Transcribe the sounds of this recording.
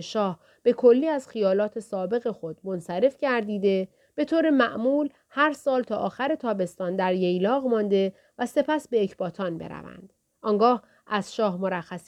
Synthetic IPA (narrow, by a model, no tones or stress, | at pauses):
ʃɒːh | b̥e̞kʰo̞lːiːæz̥xijɒːlɒːt̪ʰe̞sɒːbe̞ɣe̞xo̞d̪̥̚mo̞nsæɾe̞fcæɾd̪iːd̪e̞ | b̥e̞t̪ʰoːɾe̞mæʔmuːl | hæɾsɒːlt̪ʰɒːʔɒːxæɾe̞t̪ʰɒːbe̞st̪ɒːnd̪æɾjejlɒːɣmɒnd̪e̞ | væse̞pʰæsbe̞jecʰb̥ɒːt̪ʰɒːnbḛɾæ̰væ̰nd̪̥ | ʔɒŋɡɒːh | ʔæz̥ʃɒːhmo̞ɾæxːæs